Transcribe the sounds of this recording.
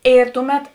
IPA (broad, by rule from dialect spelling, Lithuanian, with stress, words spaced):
ˈeːr ˈtʊˌmʲɛt